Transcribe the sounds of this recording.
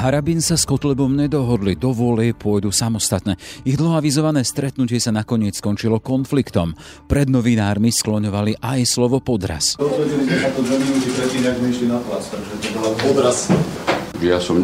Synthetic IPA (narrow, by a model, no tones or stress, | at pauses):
ɦaɾabinsaskɔt̪lɛbɔmɲɛd̪ɔɦɔd̪lid̪ɔʋʊɔlɛɛpʊɔjd̪usamɔst̪at̪nɛːiɣd̪lɦaʋizɔʋanɛːst̪ɾɛt̪nucɪɛsanakɔɲɪɛt͡sskɔnt͡ʃilɔkɔnflikt̪ɔm | pɾɛd̪nɔʋinaːɾmisklɔɲɔʋaliʔajslɔʋɔpɔd̪ɾa̰sɔɔbɛd͡ʑilizɛnak̪ɔd̪ʋɛminut̪it̪ɾɛtiːnaɡmɛʃlinapla̰st̪aɡʒɛt̪ɔbɔlapɔd̪ɾas | ʒɛjasɔm